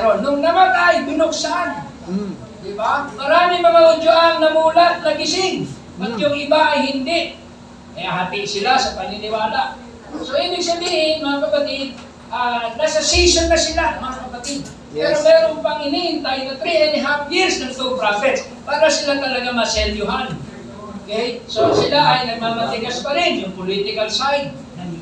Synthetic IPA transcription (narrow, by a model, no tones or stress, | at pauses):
ɾonːʊŋnɐmat̪ajbɪnok̚sɐʔan | d̪ɪbamɐɾaːmɪmɐŋaʊd͡ʒʊʔaŋnɐmuːlat̪̚nɐɡɪsɪn | ʔɐt̪jʊŋɪbaʔɐjhɪnd̪ɪʔ | ɐaɦat̪ɪʔsɪlasɐpɐnɪlɪwaːlaʔ | soʔibɪŋsɐbiːhɪnmɐŋakɐpɐt̪ɪd̪̚ | ʔaːnasasisonpasɪlaɐŋmɐŋakɐpat̪ɪd̪̚ | pɛɾomɛɾʊŋpaŋɪnɪɪnt̪ajt̪at̪ɾiɛnɦafjɪɹsnɐŋt̪upɾafɛts | paːɾasɪlat̪ɐlɐɡamasɛljʊɦan | okejsosɪlaʔajnɐɡ̚maːmat̪ɪɡaspaɾɪnjʊŋpʊlit̪ɪkalsajd̪̚ | na